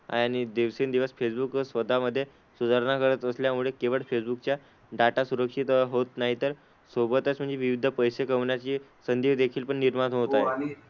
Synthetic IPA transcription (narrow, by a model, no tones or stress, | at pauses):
a̰jaɽ̃id̪eʋsend̪iʋəsfesbuksʋəd̪ʱaməd̪ʱːje | sud͡zəɾɳakəɾət̪əsljamuɭekeʋəɭfesbukt͡ɕja | ɖaʈasuɾəkʂit̪ɦot̪naɦit̪əɾ | sobət̪ət͡sm̤əɳd͡zeʋiʋid̪ʱəpəjsekəʋɳjat͡ɕiːsənd̪iʋd̪ekʰiːlpəɳːiɾmanoɦot̪aj